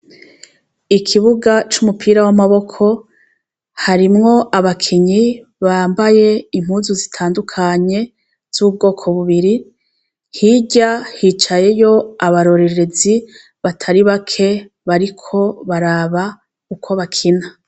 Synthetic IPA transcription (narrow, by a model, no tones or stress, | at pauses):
ikʰiβuɡat͡ʃumupʰiːɾawamaβo̞kʰo̞ | haɾimŋo̞ʔaβakʰiɲiβaːmbaje̞imhuːnzuzitʰaːndukʰaɲe̞ | z̥uub̚ɡo̞ːkʰo̞βuβiɾi | hiɟahiːt͡ʃaje̞jo̞aβaɾo̞ɾe̞ɾe̞zi | βatʰaɾiβakʰe̞ | βaɾikʰo̞βaɾaːβa | kukʰo̞βakʰina